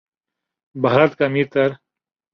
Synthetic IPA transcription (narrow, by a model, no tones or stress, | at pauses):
baɦɾɐt̪kɐmiːɾt̪ɐɾ